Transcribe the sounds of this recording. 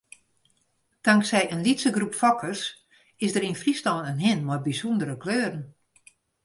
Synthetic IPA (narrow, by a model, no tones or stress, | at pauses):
d̥aŋksɛjənlitsəɡrupfɔkʰərs | ɪsdəɾinfristɔːnənɦɪnmɔjbisundəɾəkløːrn̩